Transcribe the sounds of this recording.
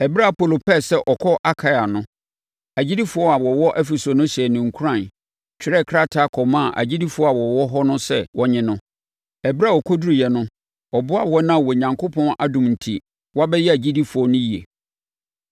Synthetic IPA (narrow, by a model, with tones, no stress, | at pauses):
ɛ˨bɪ˦ɾa˦˨po˨lo˨pɛ˦˨sɛ˦ʔɔ˨kʰɔ˦ʔa˦kʰa˦ja˨nʊ̃˦ | æ˨d͡ʑi˦di˦fʊ˨˦ɔ˦a˨wɔ˨wɔ˦ʔɛ˦fi˨so˨nʊ̃˦ɕɛ˨nʊ̃˨ŋ̩˨kʰu˦ɾã˦˨n | t͡ɕᶣɪ˦ɾɛ˦˨kʰɾa˦tʰa˦˨kʰɔ˨mã˦˨ʔa̰˨d͡ʑi˦di˦fʊ˨˦ɔ˦a˨wɔ˨wɔ˦ɦɔ˦nʊ̃˦sɛ̰˦˨wʔɔ˦ɲɪ̃˦nʊ̃˦ | ɛ˨bɪ˦ɾa˦˨wɔ˨kʰɔ˦du˦ɾu˨jɛ˨nʊ̃˦ | ɔ˨bʊ˦a˦˨wɔ˦nã˦˨wɔ˨ɲã˨ŋkʰo˦pʰɔ̃˦na̰˦dʊ̃˨mn̩˨tʰi˦ | wɔ˦a˦bɛ˦jɛ˦æ˨d͡ʑi˦di˦fʊ˨ɔ˦nʊ̃˦ji˨ḛ˨